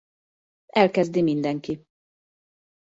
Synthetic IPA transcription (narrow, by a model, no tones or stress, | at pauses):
ɛlkɛzd̪imind̪ɛŋki